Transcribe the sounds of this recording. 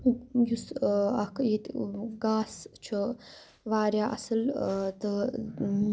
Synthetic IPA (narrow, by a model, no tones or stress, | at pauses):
jusɐkjet̪ɡaːst͡ʃʰɨ | ʋaːɾjaːʔɐ̰sɐlt̪ə